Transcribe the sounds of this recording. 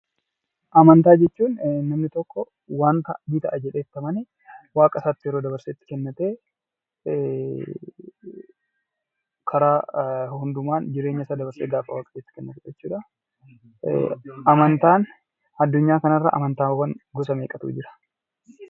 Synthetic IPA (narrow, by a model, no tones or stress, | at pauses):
ʔɐmɐnt̪aːd͡ʒɛt͡ʃːuːnnːɐmnɪt̪ɔkːɔ | waːnt̪ɐ̰ʔmɪt̪ɐ̰ʔɐd͡ʒɛᶑeːt̪ːɐmɐnɛ | waːkʼɐsaːt̪ːɪjɛɾoːd̪ɐβɐɾseːt̪ːɪ̥kɛnːɐt̪eː | kʰɐɾaːhʊnd̪ʊmaːnd͡ʒɪɾe̞ːɲːɐsaːd̪ɐbɐɾsḛːɡaːfɐwaːkʼɐ̥t̪eːt̪ːɪ̥kɛnːɐt̪ɛd͡ʒɛt͡ʃːuːᶑɐ | ʔɐmɐnt̪aːn | ɐd̪ːʊɲːaːkɐnɐrːɐ̰ʔɐ̰mɐnt̪aːwɐŋɡɔsɐmeːkʼɐt̪ṵːd͡ʒɪɾɐ̥